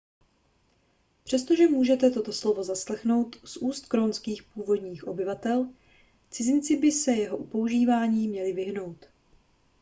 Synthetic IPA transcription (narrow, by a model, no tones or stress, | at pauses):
pr̝̥ɛst̪o̞ʒɛmuːʒɛt̪ɛt̪o̞t̪o̞slo̞vo̞zaslɛxno̞wt̪sʔuːst̪̚kɾonskiːxpuːvo̞d̪ɲiːxʔo̞bɪvat̪ɛl | t͡sɪzɪnt͡sɪbɪsɛjɛɦo̞ʔupo̞uʒiːvaːɲiːmɲɛlɪvɪɦno̞wt̪